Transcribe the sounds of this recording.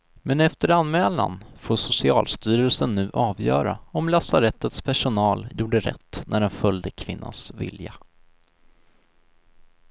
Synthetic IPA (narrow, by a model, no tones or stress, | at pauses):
mɛnɛft̪əɾanmɛːla̰nfoːʂʊsɪɑ̰ːlst̪yːɾəlsənːʉ̟ːʔɑːvjœ̰ːɾaɔmlasaɾɛt̪ːət̪spʰæʂʊnɑːljuːɖəɾɛ̰t̪ːnʔæɖɛnfœljd̪əkʰvɪnːa̰nsvɪ̰lja